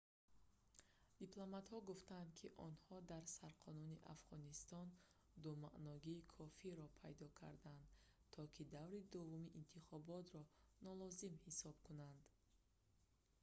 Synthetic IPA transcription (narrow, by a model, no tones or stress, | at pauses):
d̪̥iplˠɔmat̪hɔɡuft̪and̪̚kʰiʔɔnhɔd̪aɾsaɾqʰɔnuniʔa̰fʁɔnist̪ɔn | d̪umaʔnɔɡiːkʰɔfiɾɔpʰajd̪ɔkʰa̰ɾd̪and̪t̪ʰɔkʰid̪avɾid̪uvumiʔint̪ʰiχɔbɔt̪ɾɔnɔlɔzimhisɔb̥kʰunand̪